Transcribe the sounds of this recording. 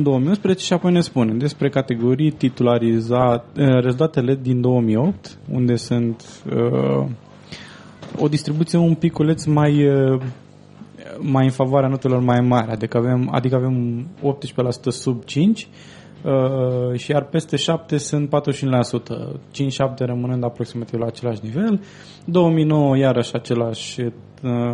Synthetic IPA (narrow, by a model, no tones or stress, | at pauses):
ind̪o̞omijunspɾezet͡ʃe̞ʃiapo̞jne̞spuned̪e̞spɾe̞kat̪e̞ɡo̞ɾijt̪it̪ulaɾizaəɾezult̪at̪e̞le̞d̪ind̪o̞omijo̞p̚t̪ | ṵnd̪e̞sɨnt̪ | ə̰ | o̞̰d̪ist̪ɾibut̪sieumpikːule̞t̪smaj | majɨnfavoaɾeanot̪elo̞rmajmaɾʲa̰d̪ikəave̞ma̰d̪ikəave̞mo̞p̚t̪ʃu̥pelasu̥t̪əsub̚t͡ʃint͡ʃʲ | əʃijarpe̞st̪e̞ʃap̚t̪e̞sɨnt̪̚pat̪ɾuzeʃunelasut̪ə̰t͡ʃint͡ʃʲʃap̚t̪e̞ɾəmɨnɨnd̪apɾo̞ksimat̪ivlaːt͡ʃe̞laʃnive̞l | d̪o̞wəmijno̞wəjaɾəʃat͡ʃe̞laʃʲ